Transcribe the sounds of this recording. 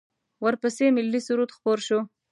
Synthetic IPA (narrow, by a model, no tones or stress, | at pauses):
wəɾpəsemɪlːisuɾut̪xpoɾʃo